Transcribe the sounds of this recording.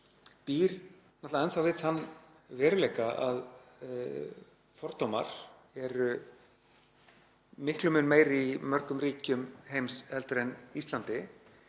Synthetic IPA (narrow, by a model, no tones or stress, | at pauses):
piːɾ | nɔt̪laðɛnθawvɪðanː | vɛːɾʏlejkaað | fɔɾ̥t̪ːowma̰ɾ̥ | ɛɾʏ | mɪhklʏmʏnmeːjɾimœɾ̥kʏmriːcʏmhejmshɛlt̪ɾɛnist̪lant̪ɪ